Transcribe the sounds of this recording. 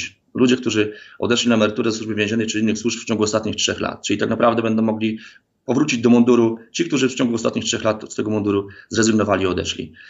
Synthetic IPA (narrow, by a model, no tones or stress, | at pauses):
lud͡ʑɛkt̪uʐɘɔ̰d̪ɛʂlʲinaɛmɛɾɘt̪uɾɛzɛswuʐbɘvʲjɛ̃ʑɛnːɘt͡ʂɘinːɘxswuʂpft͡ɕɔ̃ŋɡuɔst̪at̪ɲixtʂɛxla̰t̪̚t͡ʂɘit̪aknapɾavd̪ɛbɛnd̪ɔ̃w̃mɔɡlʲi | pɔvɾut͡ɕid͡ʑd̪ɔmɔnd̪uɾut͡ɕik̚t̪uʐɘft͡ɕɔ̃ŋɡuɔst̪at̪̚ɲixtʂɛxlat̪st̪ɛɡɔmɔnd̪uɾuzɾɛzɘɡnɔvalʲiɔd̪ɛ̰ʂlʲḭ